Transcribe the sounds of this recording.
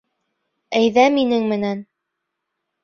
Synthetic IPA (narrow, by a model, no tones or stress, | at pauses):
æjðæminɘŋmɘ̆næn